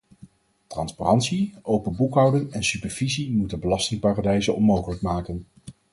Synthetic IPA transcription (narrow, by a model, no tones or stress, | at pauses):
trɑnspa̰rɑntsiʔowpənbukɦɑwdɪŋɛnsypɛɹv̥izimutənbəlɑstɪŋpaːradɛjzəɔnmowχələk̚maːkən